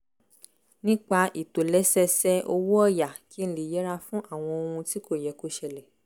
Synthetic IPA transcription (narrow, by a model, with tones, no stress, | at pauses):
nĩ˦k͡pa˧ʔi˨to˨lɛ˨˦sɛ˧sɛ˧ʔo˧wo˦ɔ˦˨ja˨kʰi˨˦ñ̩˦li˨jɛ˨˦ɾa˧fũ˦ʔa˦˨w̃ɔ̃˧o˧hũ˧ti˦ko˦˨jɛ˨˦ko˦ʃɛ˧lɛ˨